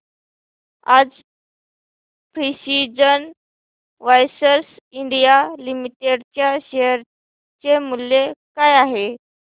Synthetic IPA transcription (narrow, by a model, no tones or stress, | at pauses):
ad͡z | pɾisid͡zən | ʋajsəɾs | iɳɖijalimiʈeɖt͡ɕjaɕejəɾ | t͡ɕemuljekajaɦe